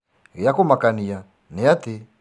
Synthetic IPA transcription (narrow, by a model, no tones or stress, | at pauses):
ɣijakumakanija | nɛjati